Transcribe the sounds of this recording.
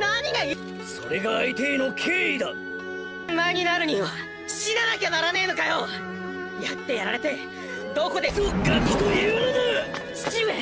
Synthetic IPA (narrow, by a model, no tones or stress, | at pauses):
naɲ̟iɡaj | so̞ɾe̞ɡaːit̪eːno̞kʲʰeid̪a | maeɲ̟inaɾɯ̟ɲ̟iβa | ɕinanakʲenaɾaneno̞kajo | jat̪ːe̞jaɾaɾe̞t̪e̞ | d̪o̞ːko̞d̪e̞sɡakːi̥t̪ojɯ̟ːnonoɕi̥t͡ɕiβe